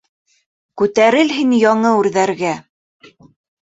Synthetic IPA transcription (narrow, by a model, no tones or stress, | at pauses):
kʉt̪æɾɘlɦiŋjɑɴɤʉɾðæɾɡæ